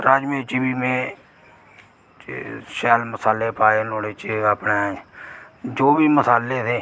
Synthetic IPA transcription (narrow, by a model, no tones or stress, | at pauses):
ɾaːd͡ʒmẽːt͡ʃbiːmẽː | ʃɛːlməsaːleːpaːeːnoːɽeːt͡ʃapneː | d͡ʒoːbiːməsaːleːt̪ʰeː